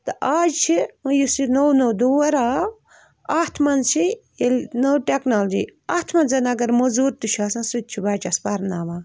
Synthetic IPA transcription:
t̪ɨʔaːd͡ʒt͡ʃʰijusinownoːd̪uwɐɾaː | aːt̪ʰmɐnt͡ʃʰi | elnowʈeknald͡ʒḭːaːt̪ʰmɐnzɐnɐɡɐɾmozuːɾt̪ut͡ʃʰaːsãːsut̪̚t͡ʃʰibaːt͡ʃaspɐɾnaːʋãː

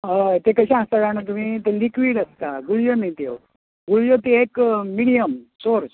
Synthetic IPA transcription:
ət̪ekəɕãast̪aɡanat̪̬um̤iːt̪elikʋiːɽəst̪aɡuɭjomit̪ew | ɡuɭjot̪eekːiɽijəmsoɾs

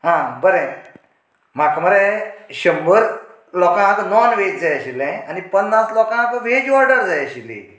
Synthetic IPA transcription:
ɦãbəɾẽ | makməɾeɕəmbəɾ | lɔkãk̪nɔnʋetd͡zajəɕilɛ̃anipənːaslɔkãk̪ʋed͡ʑɔɾɖəɾd͡zajəɕilḭ

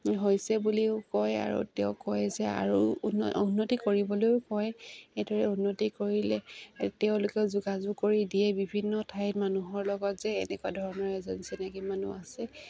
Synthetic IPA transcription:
ɦojsɛbuliʊkɔja̰ɹṵteʊkɔjzɛa̰ɹununːotikoɹibɔlojʊkɔjejdɔɹɛunːotikoɹilɛtɛʊ̃lʊkɛʊzuɡazʊɡkːoɹidiɛbibʱinːɔtʰajtmanuɦɔɹlɔɡɔtz̥ɛ̰ːnɛkuadʱɔɹɔnɔɹɛzɔnsɛnakimanṵasɛ

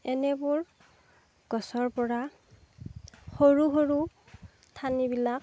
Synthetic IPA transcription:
ɛnɛbʊɹ | ɡ̥ɔsɔɹpɔɹa | xoɹuxoɹu | tʰanibilak̚

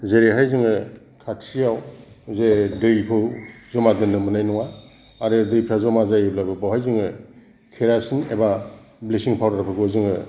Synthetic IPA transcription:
zeɾeɦajzɯŋɯ | kʰatʰsijawzedɯjpʰɯwzɔmadɯnːɯmɯnajnɔŋa | aɾɯdɯjpʰɾazɔmazajɯblabɯbawɦajzɯŋɯ | kʰeɾasineba | blisiŋpʰawɾɾapʰɯɡɯzɯŋɯ

